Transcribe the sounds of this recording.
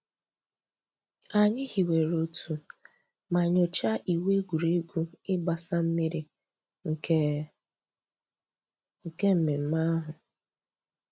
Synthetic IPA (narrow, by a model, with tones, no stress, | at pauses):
a˨ɲɪ˦hi˨we˨ɾo˦tʰu˨ | ma˨ɲʊ˨t͡ʃa˦ʔi˨we˦ɡu˨ɾe˦ɡʷu˦ɪ˦ɡ͡ba˨sa˦m̩˦mi˦ɾi˦ | ŋ̩˨˦ | ŋ̩˨ke˦m̩˨me˨m̩˦ma˦ɦʊ˨